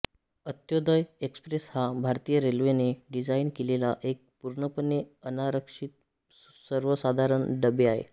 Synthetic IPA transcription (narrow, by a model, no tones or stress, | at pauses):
ət̪jod̪əjekspɾeshabʱaɾt̪ijəɾelʋeneɖid͡zainkelelaʔek̚puɾɳəpəneənaɾəkʂit̪̚ | səɾʋəsad̪ʱaɾəɳɖəbeaɦḛ